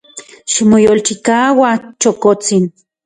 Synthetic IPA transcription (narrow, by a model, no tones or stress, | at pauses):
ʃimojolt͡ʃikawat͡ʃokot͡sin